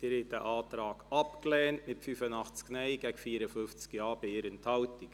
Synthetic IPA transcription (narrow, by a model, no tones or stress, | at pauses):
d̥ɪɾɛtəʔɑːtɾɑːɡɑpklɛːntmɪtfyfənɑχt͡sknɛɪɡɛɡfiːəɾəfʏnft͡skjɑːb̥ɪɪɾɪnt̪ʰɑltɪk